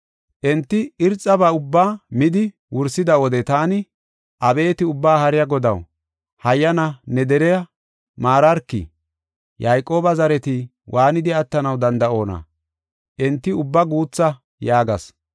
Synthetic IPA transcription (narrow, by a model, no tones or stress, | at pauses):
ʔɛnt̪ːɪɪɾt͡sʼːɐbɐʊbːaːmɪd̪ɪ | wʊɾsɪd̪ɐwɔd̪ɛt̪aːnɪ | ʔɐbe̞ːt̪ɪʊbːaːhɐɾɪjɐɡɔd̪ɐw | hɐjːɐnɐnɛd̪ɛɾɛjɐ | maːɾɐɾkːɪ̰ | jɐjkʼːo̞ːbɐzɐɾɛt̪ɪ | wʔaːnɪd̪ɪɐt̪ːɐnɐwd̪ɐnd̪ɐo̞ːnɐ̰ | ʔɛnt̪ːɪʊbːɐɡuːt͡sːɐ | jaːɡɐs